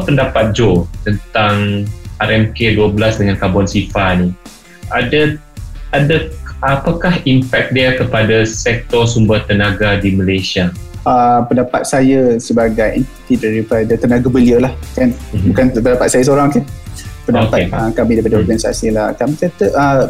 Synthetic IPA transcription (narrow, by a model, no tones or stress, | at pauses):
pəndapat̪̚d͡ʒot̪ənt̪aŋaɾɛmkeduəbəlasdəŋankabɔnsifani | ada | adaapakahimpɛk̪̚dɛakəpadasɛk̚t̪ɔsumbəht̪ənaɡadiməlesia | apəndapa̰t̪̚sajəsəbaɡajʔɛnt̪i̥t̪idaɾipadat̪ənaɡabəliəlahkanbukanpəndapat̪sajasoɾaŋkanpəndaopat̪̚akamĩdaijpadaɔrɡanisa̰silakamitat̪əʔə